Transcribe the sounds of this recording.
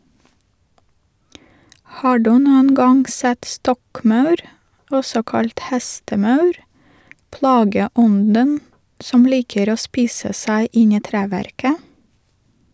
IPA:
ˈhɑː ˈduː ˈnuːən ˈɡɑŋ ˈsɛt ˈstɔkˌmɑʉɾ ˈɔsɔ ˈkɑlt ˈhæstəˌmɑʉɾ ˈplɑːɡəˌɔndən ˈsɔm ˈliːkəɾ ˈoː ˈspiːsə ˈsæɪ ˈɪn ˈiː ˈtɾæːʋæɾkə

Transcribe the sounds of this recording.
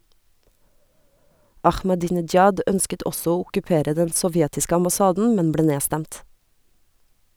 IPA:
ɑxmɑˌdiːnɪd͡ʒˈjɑd ˈœnskət ˈɔsɔ ˈoː ʊkʉˈpeːɾə ˈdɛn sɔˈʋjɛtɪsk ɑmbɑˈsɑːdn̩ ˈmɛn ˈbleː ˈneːstæmt

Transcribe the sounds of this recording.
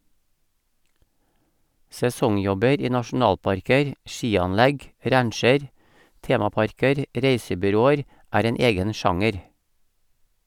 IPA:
sɛˈsɔŋˌjɔbəɾ ˈiː nɑʃn̩ˈɑːlpɑɾkəɾ ˈʃiːɑnˌlæɡ ˈɾæɳʃəɾ ˈteːmɑˌpɑɾkəɾ ˈɾeɪsəbʏˌɾoːəɾ ˈæːɾ ˈeːn ˈeːɡən ˈʃɑŋəɾ

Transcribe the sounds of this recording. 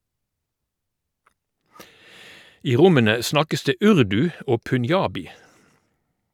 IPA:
ˈiː ˈʁʊmənə ˈsnɑkəs ˈdeː ˈʉʁdʉ ˈoː pʉnˈjɑːbɪ

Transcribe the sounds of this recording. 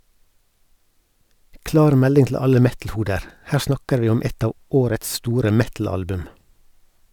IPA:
ˈklɑːɾ ˈmɛlɪŋ tl̩ ˈɑlə ˈmɛtl̩ˌhuːdəɾ ˈhæː ˈsnɑkəɾ ˈʋiː ˈɔm ˈɛt ˈɑː ˈoːɾəts ˈstuːɾə ˈmɛtl̩ˌɑlbʉm

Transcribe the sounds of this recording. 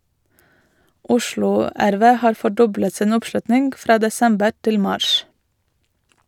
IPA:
ˈʔʊʃlʊ ˈæɾˌʋeː ˈhɑːɾ fɔˈɖɔblət ˈsiːn ˈʊpˌʃlʉtnɪŋɡ ˈfɾɑː dɛˈsɛmbəɾ ˈtɪl ˈmɑːʃ

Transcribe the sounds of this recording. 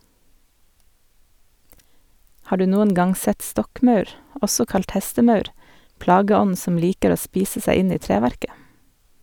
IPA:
ˈhɑː ˈɖʉː ˈnuːən ˈɡɑŋ ˈsɛt ˈstɔkˌmɑʉɾ ˈʔɔsɔ ˈkɑlt ˈhɛstəˌmɑʉɾ ˈplɑːɡəˌɔnn̩ ˈsɔm ˈliːkəɾ ˈoː ˈspiːsə ˈsæɪ ˈɪn ˈiː ˈtɾeːˌʋæɾkə

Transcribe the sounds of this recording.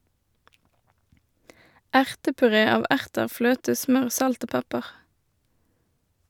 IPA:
ˈæʁtəpʉˌʁeː ˈɑːʋ ˈʔæʁtəʁ ˈfløːtə ˈsmœʁ ˈsɑlt ˈoː ˈpɛpəʁ

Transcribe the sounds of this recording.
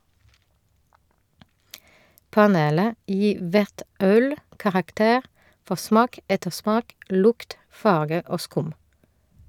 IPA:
pɑˈneːlə ˈjiː ˈʋæʁt ˈœl kɑʁɑkˈteːʁ ˈfɔ ˈsmɑːk ˈɛtəˌsmɑːk ˈlʊkt ˈfɑʁɡə ˈoː ˈskʊm

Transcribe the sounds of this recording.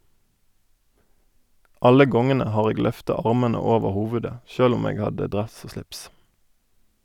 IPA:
ˈɑlə ˈɡɔŋənə ˈhɑːʁ ˈeːɡ ˈlœftɑ ˈɑʁmɛnə ˈoːʋəʁ ˈhuːʋʉdə ˈçøːl ˈʊm ˈeːɡ ˈhɑdə ˈdʁɛs ˈoː ˈʃlɪps

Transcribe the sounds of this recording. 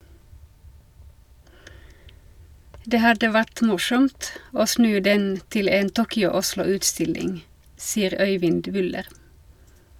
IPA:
ˈdeː ˈhɑdə ˈʋæʈ ˈmʊʃɔmt ˈoː ˈsnʉː ˈdɛn ˈtɪl ˈeːn ˈtuːkʏʊ ˈʊʃlʊ ˈʉːtˌstɪlɪŋ ˈsiːəʁ ˈœʏʋɪnd ˈʋʏləʁ

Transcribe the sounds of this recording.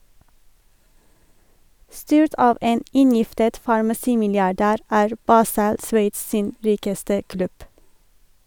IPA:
ˈstyːɹt ˈɑːʋ ˈeːn ˈɪnˌjɪftət fɑɹmɑˈsiːmɪlɪɑˌɖæːɾ ˈæːɹ ˈbɑːsəl ˈsʋeɪts ˈsiːn ˈɹiːkəstə ˈklʉb

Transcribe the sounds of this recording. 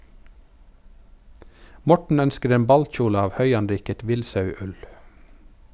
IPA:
ˈmɔʈɳ̩ ˈœnskəɾ ˈeːm ˈbɑlc͡çuːlə ˈɑːʋ ˈhœʏɑnˌɾiːkət ˈʋɪlsɑʉˌʉl

